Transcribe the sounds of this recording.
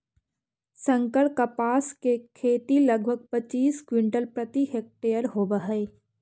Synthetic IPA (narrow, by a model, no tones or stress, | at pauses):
sə̃ŋkəɭkɐpaːskekʰeːt̪ilɐɡ̚ʱbʱəɡ̚pət͡ʃiːskwɪ̃ɳʈəlpɾət̪iɦeːk̚ʈeːjəɾɦoːbəɦəː